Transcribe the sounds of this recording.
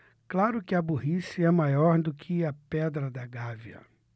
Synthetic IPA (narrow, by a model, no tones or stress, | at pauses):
klaɾʊkɪɐbuɦisiɛmajɔɾd̪ʊkʰɪɐpɛd̪ɾɐd̪ɐɡaviɐ̰